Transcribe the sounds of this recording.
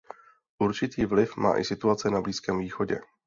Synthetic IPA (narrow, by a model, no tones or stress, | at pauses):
ʔuɾt͡ʃɪt̪iːvlɪfmʔa̰ːʔɪ̰sɪt̪uat͡sɛnabliːskɛːmviːxo̞ɟɛ̰